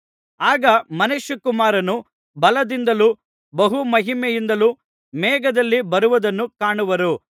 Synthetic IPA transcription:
aːɡɐmɐneʃjukumaːɾɐnu | bɐlɐd̪ind̪ɐlu | bɐɦumɐɦimɛjind̪ɐlu | mɛːɡɐd̪ɐlːibɐɾuʋɐd̪ɐnːukaːɳuʋɐɾu

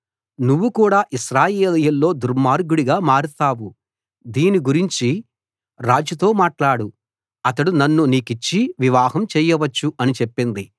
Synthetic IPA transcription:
nuʋːukuːɽaːʔiʃɾaːjeːlɐjɐlːo̞ːd̪uɾmaːɾɡuɽiɡaːmaːɾut̪aːʋu | d̪iːniɡuɾiɲt͡ʃi | ɾaːd͡ʒut̪o̞ːmaːʈlaːɽu | ɐt̪ɐɽunɐnːuniːkit͡ʃːiʋiʋaːɦɐmt͡ʃɛːjɐʋɐt͡ʃːuɐnit͡ʃepːind̪i

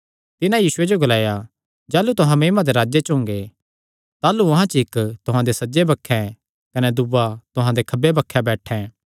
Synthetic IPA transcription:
t̪ɪnãjiːsʊed͡ʒoɡɐlaːja | d͡ʒaːlut̪ʊɦãmeːmãd̪eɾaːd͡ʒet͡ʃʊ̃ːŋɡe | t̪aːluɐɦãt͡ʃɪkt̪ʊɦãd̪esɐd͡ʒebɐkʰːɛ̃ | kɐnɛd̪ʊbat̪ʊɦãd̪ekʰɐbebɐkʰːɛbɛːʈʰɛ̃ː

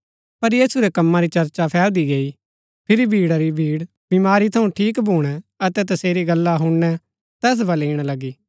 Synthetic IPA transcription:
pɐɾjiːsuɾekɐmːãɾit͡ʃɐɾt͡ʃapʰɛːld̪iɡɐi | pʰɪɾibʱiːɽaɾibʱiːɽ | bɪmaːɾit̪ʰɐũʈʰiːkbʱuːɽ̃ɛɐt̪ɛt̪̬ɐseːɾiɡɐlːaɦʊɽnɛ | t̪ɛːs̬bɐleːɽ̃alɐɡiː

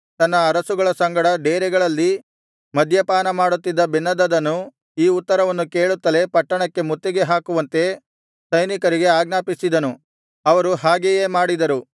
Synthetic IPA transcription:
t̪ɐnːɐːɾɐsuɡɐɭɐsɐŋɡɐɽɐɖeːɾɛɡɐɭɐlːi | mɐd̪ʱjɐpaːnɐmaːɽut̪ːid̪ːɐbinːɐd̪ɐd̪ɐnːu | iːut̪ːɐɾɐʋɐnːuke̞ːɭut̪ːɐle̞pɐʈːɐɳɐkːe̞mut̪ːiɡe̞ɦaːkuʋɐnt̪e̞ | sɐjnikɐɾiɡe̞aːɡnaːpisid̪ɐnu | ɐʋɐɾuɦaːɡejeːmaːɽid̪ɐɾu

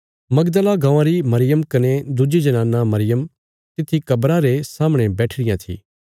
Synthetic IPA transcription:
mɐɡd̪əlaɡãːʋãɾimɐɾɪjəmkɐned̪ʊd͡ʒid͡ʒɐnaːnːamɐɾɪjəm | t̪ɪt̪ʰːikɐbɾaɾesaːmɽ̃ebɛːʈʰɽɪjãt̪ʰḭː

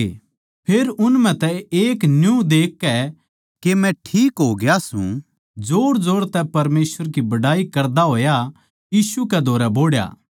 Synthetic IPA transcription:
pʰeːɾʊnm̤ɛ̃t̪ɛeːknjũd̪eːkːɛ | kemɛ̃ʈʰiːkɦoːɡɪjasṵ̃ | d͡zoːɽd͡zoːɽt̪ɛpɐɾmeːsʋəɾkibɐɽaːikɐɾd̪aɦoːja | jiːsukɛd̪ʱoːɾɛboːɽja̰ː

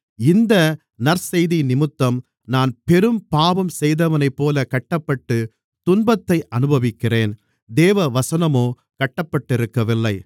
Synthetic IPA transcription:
ɪnd̪ɐ | nɐɾsɛjðinɪmɯt̪ːɐm | naːnpɛɾɯmpaːbɐmsɛjðɐʋɐnɐɪpːoːlɐkɐʈːɐpːɐʈːɯ | t̪ʊnbɐt̪ːɐɪʔɐnɯbɐʋɪkːɪreːn | d̪eːʋɐʋɐsɐnɐmoː | kɐʈːɐpːɐʈːɪɾɯkːɐʋɪlːɐɪ

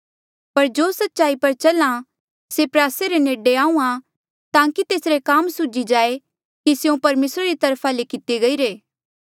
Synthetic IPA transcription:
pɐɾd͡ʒoːsɐtːʃaːipɐɾt͡ʃɐlã | sepɾaːseɾeneːɖeãːũã | t̪ãːkit̪eːsɾekaːmsʊd͡ʒid͡ʒaːe | kisjõpɐɾmeːsɾaɾit̪ɐɾpʰalekɪt̪eɡɐiːɾeː

